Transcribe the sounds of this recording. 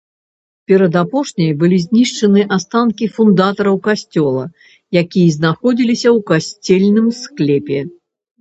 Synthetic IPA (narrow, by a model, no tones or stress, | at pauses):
pʲɛɾɐd̪apɔʂnʲɐjbɨlʲizʲnʲiʂt͡ʂɐnɨʔast̪ankʲifund̪at̪ɐɾɐwkasʲt͡sʲɔlˠɐ̰ | jakʲijɐzʲnaxɔd͡zʲilʲisʲɐwkasʲt͡sʲɛlʲnɨmsklʲɛpʲɛ